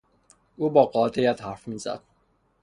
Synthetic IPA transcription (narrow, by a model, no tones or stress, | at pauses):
uːbɒːɢɒːt̪ʰejæt̪hæɾfmiːzæ̰d̪̥̚